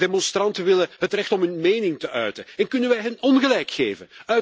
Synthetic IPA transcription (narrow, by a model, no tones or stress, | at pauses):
demɔnstɾɑntəʋɪləɦətrɛxtɔmɦʏnmeːnɪŋtəʔœɥtənɛnkɵnənʋɛjɦɛnɔnɣəlɛjkxeːvə̰nœ